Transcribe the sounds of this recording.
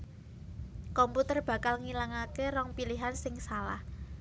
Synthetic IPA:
kɔmput̪ərb̥ä̤kalŋilaŋakerɔŋpiliɦansɪŋsalah

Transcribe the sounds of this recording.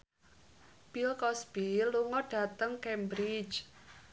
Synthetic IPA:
b̥ilkɔsb̥iluŋɔɖ̥a̤t̪əŋkɛmbɾid͡ʒ

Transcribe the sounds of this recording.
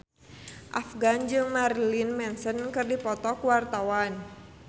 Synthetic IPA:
ʔafɡand͡ʒɨŋmarlinmɛnsənkɨrdipɔt̪ɔkuwart̪awan

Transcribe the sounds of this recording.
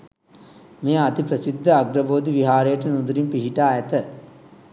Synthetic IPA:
mejɐɐt̪ipɾɐsid̪ʱːɐɐɡɾɐboːd̪iʋiɦaːɾɐjɐʈːɐnud̪uɾimpiɦiʈaːjɐt̪ɐ

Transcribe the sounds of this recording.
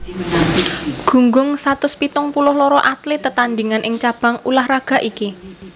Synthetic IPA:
ɡ̥ṳŋɡʊŋsat̪ʊspit̪ʊŋpulʊhlɔɾɔʔat̪lɪt̪ːət̪and̪iŋanʔɪŋt͡ʃab̥a̤ŋulahraɡ̥a̤ʔiki

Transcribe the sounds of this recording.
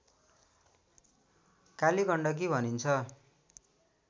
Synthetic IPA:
kaliɡʌɳɖʌk̬ibʱʌnint͡sʰʌ

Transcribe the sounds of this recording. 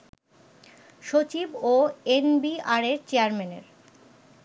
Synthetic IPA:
ʃot͡ɕiboenbiaɾeɾt͡ɕeaɾmenḛɾ

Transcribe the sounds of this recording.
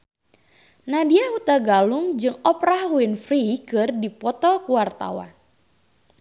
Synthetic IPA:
nadiahut̪aɡaluŋd͡ʒɨŋɔpɾahuɪnfɾikɨrdipɔt̪ɔkuwart̪a̰wa̰n

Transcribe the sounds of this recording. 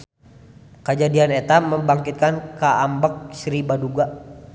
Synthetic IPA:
kəd͡ʒadianet̪aməmbaŋkit̪̚kankaambək̚sɾibaduɡa

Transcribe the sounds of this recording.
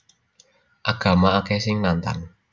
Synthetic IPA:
ʔaɡ̥a̤maakɛsɪŋnant̪a̰n

